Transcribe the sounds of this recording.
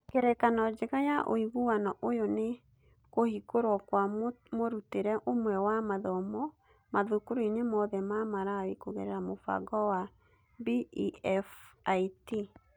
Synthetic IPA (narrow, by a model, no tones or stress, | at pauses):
keɾɛkanɔd͡ʒeɣajaʔo̰iɣuwanɔʔojone | kohikoɾwɔkwamoɾuteɾɛʔomwɛwamaðɔmɔ | maðukoɾeɲemɔðɛmamaɾawekoɣɛɾɛɾamofa̰ɡɔwa | biɛfaiti